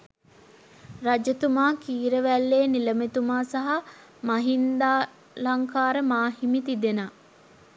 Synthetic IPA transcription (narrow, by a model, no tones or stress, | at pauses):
ɾad͡ʒət̪umaːkiːɾəʋælːeːniləmet̪umaːsaɦa | maɦind̪aː | laŋkaːɾəmaːɦimit̪id̪ena